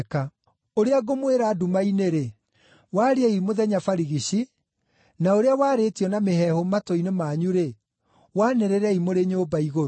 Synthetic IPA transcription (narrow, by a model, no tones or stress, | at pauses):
ka | oɾeaɡomweɾaːdumaineɾe | waɾiaimoðɛɲafaɾiɣiɕi | naoɾeawaːɾetiɔnamehɛhomatoinemaːɲuɾe | waːnɛɾeɾɛimoɾeɲoːbaiɣoɾo